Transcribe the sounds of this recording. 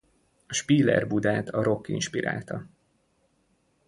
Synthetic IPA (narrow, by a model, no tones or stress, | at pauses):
ɒʃpiːlɛ̰rbud̪aːt̪ʰɒɾo̞kːḭnʃpiɾʔa̰ːlt̪ɒ